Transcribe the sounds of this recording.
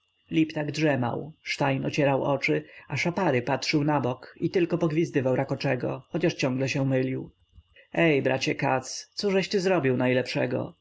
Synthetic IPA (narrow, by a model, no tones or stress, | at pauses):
lʲipt̪aɡdʐɛma̰wʂt̪ajnɔ̰t͡ɕɛɾawʔɔt͡ʂɘaʂapaɾɘpatʂɘwnabɔkit̪ɘlkɔpɔɡvʲizd̪ɘvawɾakɔt͡ʂɛɡɔ̰xɔt͡ɕaʂt͡ɕɔ̃ŋɡlɛɕɛmɘlʲiw | ɛjbɾa̰t͡ɕɛka̰t̪st̪suʐɛɕt̪ɘzɾɔbʲiwnajlɛpʂɛ̰ɡɔ̰